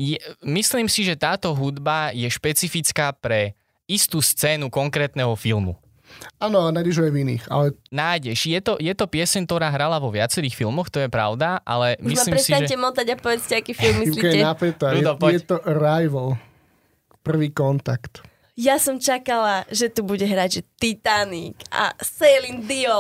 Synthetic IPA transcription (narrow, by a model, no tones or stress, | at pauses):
jɛmisliːmsiʒɛt̪aːt̪ɔɦud̪bajɛʃpɛt͡sifit͡skaːpɾɛ | ist̪uːst͡sɛːnukɔŋkɾɛːt̪nɛɦɔfilmṵ | anɔanajɟɛʒɔavinḭːxa̰lɛnajɟɛʃjɛt̪ɔjɛt̪ɔpɪɛsɛɲt̪ɔɾaːɦɾalaʋɔʋɪat͡sɛɾiːxfilˠmɔxt̪ɔjɛpɾa̰ʊd̪aʔa̰lɛmuismaliːɾmɛsiaɲʒɛɛmɔt̪aɟapɔʋɛt͡scɛakiːfilmːilikaɛɛnapɛt̪aud̪ɔɔjɛt̪ɔɾajʋl | pr̩ʋiːkɔnt̪akt̪ | jasɔmt͡ʃakalaʒɛt̪ubuɟɛɦɾaɟʒɛt̪it̪anika̰sɛjlind̪iɔ